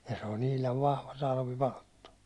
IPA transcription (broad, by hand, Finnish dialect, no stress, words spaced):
jɑ se on ihlɑʋ ʋɑhʋɑ tɑlʋipɑltːu